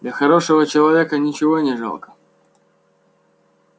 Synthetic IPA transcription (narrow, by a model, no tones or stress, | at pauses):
d̪lʲɐxɐɾoʂəvət͡ɕɪlˠɐvʲekənʲɪt͡ɕɪvonʲɪʐa̰lˠkə̥